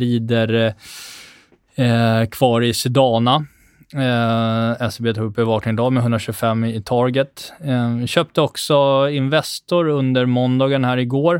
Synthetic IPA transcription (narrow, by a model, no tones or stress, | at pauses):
ɾiːd̪əɾ | kʰv̥ɑːɾɪsɪd̪ɑːna | ɛsbeːt̪ʰɑːɡ̚bɛvɑːknɪŋd̪ɑːmɛɦɵnd̪ɾaɕɵːɡfɛmːt̪ʰɑːɡət̪ | ɕøːp̚t̪əɔksɔɪnvɛst̪ʊɾɵnd̪əɾmɔnd̪ɑːɡənhæːɾɪɡoːɾ